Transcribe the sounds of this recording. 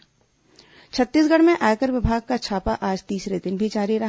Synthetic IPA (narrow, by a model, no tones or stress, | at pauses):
t͡ʃʰɐt̪ːiːsɡɐɽ̤mẽʔaːjkəɾʋɪbʱaːɡ̚kat͡ʃʰaːpaʔaːd͡ʒt̪iːsɾed̪ɪnbʱid͡ʒaːɾiɾɐɦ